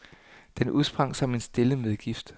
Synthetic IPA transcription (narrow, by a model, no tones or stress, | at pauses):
d̥enʔuðˠsb̥ʁɑ̈ŋ̰sɒ̽me̝nsd̥e̝ləmeðˠɡ̥ifd̥